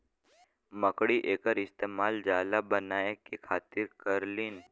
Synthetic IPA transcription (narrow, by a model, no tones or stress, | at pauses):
məkɽiʔeːkəɾɪst̪eːmaːld͡ʒaːlabənaːekekʰaːt̪ɪɾkəɾliːn